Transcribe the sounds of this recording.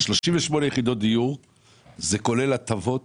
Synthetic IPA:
ʃlo̞ʃiɱveʃmo̞nejeχid̪o̞t̪̚d̪ijuʁ | ze̞ko̞le̞lat̪avo̞t̪

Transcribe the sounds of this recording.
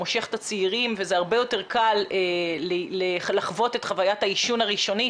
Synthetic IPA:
oʃe̞χe̥tat͡siiʁimvezeaʁbe̞jo̞te̞ʁkalelelaχvo̞tetχavajataiʃunaʁiʃo̞ni

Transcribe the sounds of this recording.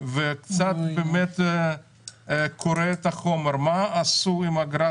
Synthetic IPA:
vekt͡sat̪bemet̪ | kʰoɾet̪aχomeɾmaːsuimaɡɾa

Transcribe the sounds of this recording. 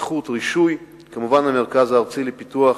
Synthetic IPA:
χut̪ʁiʃuj | kamuvanhameʁkazaːʁt͡silepit̪uaχ

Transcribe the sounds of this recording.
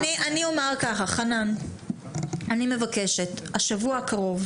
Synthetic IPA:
niʔaniomeʁkaχaχanan | anime̞vakeʃethaʃavuakaʁo̞v

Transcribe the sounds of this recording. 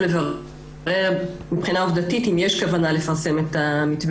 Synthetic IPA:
leva | e̞ʁmipχinaovd̪atitimjeʃkavanalefaʁse̞met̪amitb

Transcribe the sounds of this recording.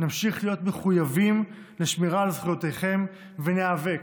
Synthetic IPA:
namʃiχlijo̞tme̞χujavim | leʃmiʁalezχujot̪ejχe̞m | veneave̞k

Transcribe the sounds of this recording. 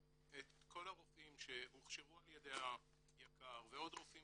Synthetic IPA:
et̪ko̞laʁofimʃehuχʃevualjed̪eha | jakaʁveo̞dʁofim

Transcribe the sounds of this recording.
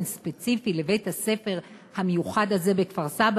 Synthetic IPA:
nspet͡sifile̞be̞jthase̞fe̞ʁhamejuχadhaze̞bekfaʁsab

